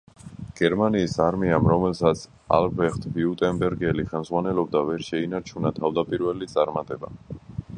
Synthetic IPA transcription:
ɡ̥ɛɾmaniːsaɾmiamɾɔmɛlsat̪sʰ | a̰lbɛχt̪ʰviut̪ʼɛmbɛɾɡɛliχɛlmzʁwanɛlɔb̚d̪avɛɾʃɛinaɾt͡ʃʰunat̪ʰavd̪apʼiɾvɛlit̪sʼaɾmat̪ʼɛba̰

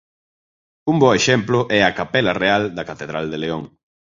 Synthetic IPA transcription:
umbɔeʃɛmplʊʔɛɐkapɛlɐreald̪ɐkat̪eðɾald̪eleoŋ

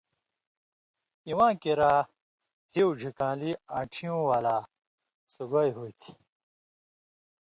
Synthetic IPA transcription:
iwãːkeɾaː | hiwd͡ʑʱikãːliaːʈ͡ʂʰijũːwaːla | suɡajɦut̪ʰi̥

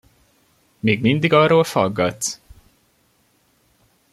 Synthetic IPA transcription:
meːɡmind̪iɡɒroːlfɒɡːɒt̪ː

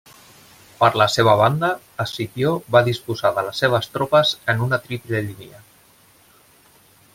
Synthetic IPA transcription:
pəɾləseβ̞əβ̞and̪əː | sit̪joβaðispuzaðələsːeβ̞əst̪ɾopəzənunət̪ɾipleʎinḭə

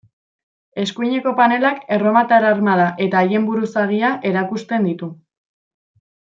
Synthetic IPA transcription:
e̞skuiɲe̞ko̞pane̞lake̞ro̞mat̪aɾaɾmaðaʔe̞t̪aːje̞mbuɾusaɣiaʔe̞ɾakust̪e̞nd̪it̪u

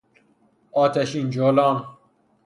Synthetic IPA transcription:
ɒːt̪ʰæʃiːnd͡ʒolɒːn

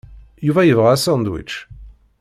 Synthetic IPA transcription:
juvæjivʁaːsɑ̃nd̪wḭt͡ʃ

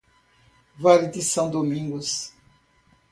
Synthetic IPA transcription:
valed̪isɐ̃w̃d̪omĩŋɡʊs

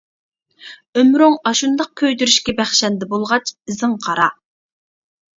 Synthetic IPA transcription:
ømɾoŋɑʃund̪ɑq̚kʲʰøjd̪yɾyʃkʲɛbæχʃɛnd̪ɛbolˠʁɑt͡ʃʰɪzɨŋqʰɑɾɑ

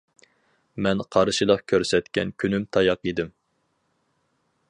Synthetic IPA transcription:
mɛnqʰɑɾɨʃɨlˠəqkʲʰøɾsɛt̪kʲɛ̰nkʲʰynymt̪ʰɑjɑqid̪ɪm

